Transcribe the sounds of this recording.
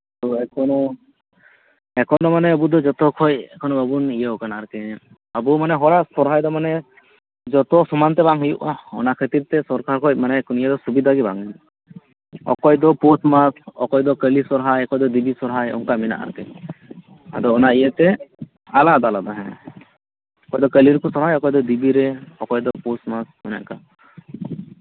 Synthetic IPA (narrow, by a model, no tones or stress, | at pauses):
t̪ɔɛkɔnɔ | ɛkʰɔnɔmanɛəbud̪ɔd͡ʒɔt̪ɔkʰɔjɛkʰɔnɔbəbunijəɔkanaaɾkɛ | əbumanɛɦɔɾasɔɾɦajd̪ɔmanɛ | d͡ʒɔt̪ɔsumant̪ɛbaŋɦujṵʔaɔ̰nakʰət̪iɾt̪ɛsɔɾkaɾkʰɔc̚manɛkɔnijəd̪ɔsubid̪ʱaɡiba̰ŋɦuju | ɔ̰kɔjd̪ɔposmasɔ̰kɔjd̪ɔkəlisɔɾɦajɔkɔjd̪ɔd̪ibisɔɾɦajɔ̰ŋkamina̰ʔa̰ɾkɛ̰ | a̰d̪ɔɔnaijɛt̪ɛ | alad̪alad̪aɦɛ̃ | ɔkɔjd̪ɔkəliɾkɔsɔɾɦajɔkɔjd̪ɔd̪ibiɾɛɔkɔjd̪ɔpusmasɔna̰ʔka